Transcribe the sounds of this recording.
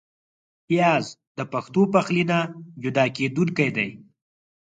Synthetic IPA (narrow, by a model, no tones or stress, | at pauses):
ijɑːzd̪əpaxt̪opaxlinad͡ʒʊd̪ɑːkeːd̪unkajd̪aj